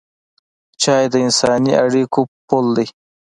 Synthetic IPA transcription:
t͡ʃɑjd̪əɪnsɑnia̰ɽikopold̪aj

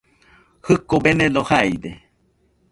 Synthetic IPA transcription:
hɨkobenẽlohajd̪e

